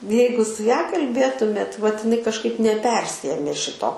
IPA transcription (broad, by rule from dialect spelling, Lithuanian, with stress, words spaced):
ˈjɛɪɡʊ sʊ ˈjɛ kɐlʲˈbʲeːtʊmʲeːt ʋɐt ɪˈnɐɪ kɐʃˈkɐɪp nʲɛˈpʲɛrʲsʲɪeːmʲeː ˈʃʲɪtoː